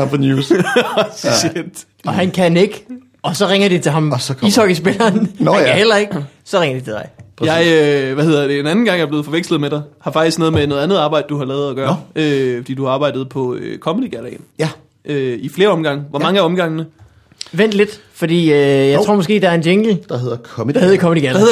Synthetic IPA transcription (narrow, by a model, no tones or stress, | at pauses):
fnu | ed̥ | ɒɦænkʰæne̝ɡ̥ | ɒ̽sɒ̽ʁeŋɐd̥it͡sʰe̝ɦɑ̈misɒɡ̥isb̥elɐːnæhel̰ɐe̝ɡ̥ | sɒ̽ʁeŋɐd̥it͡sʰe̝d̥ɑɪjɑɪøʋæhe̝ð̰ˠɐd̥e̝enænn̩ɡɑ̈ŋ̰jɑɐble̝ð̩ˠfɒ̽ʋeɡ̥sləð̩ˠmeɾ̥ɑ̈ɪhɑ̈fɑ̈ɡ̥isɡ̥noːð̩ˠmeno̽ːðˠænð̞̩ˠɑ̈ːb̥ɑ̈ɪ̰d̥̚d̥uhɑ̈lɛːð̞̩ˠæɡ̥ɶːɐøfɒd̥ḭːduhɑ̈ɑ̈ːb̥ɑ̈ɪ̰d̥ð̩ˠpʰɒ̽økʰɒ̽mədiɡ̥ælɛɪn | ʔøifle̝ːɐɒ̽mɡ̥ɑ̈ŋʋɒmɑ̈ŋəæɒ̽mɡ̥ɑ̈ŋ̰nə | ʋen̰d̥le̝d̥fɒ̽d̥ḭːøjɑɪʁo̰mɒ̽sɡ̥e̝̰ːdɑ̈ɐe̝neŋɡ̥l̩d̥ɑheðˠɐkʰheðˠɐkʰɒ̽mədiɡ̥ælheð̰ˠ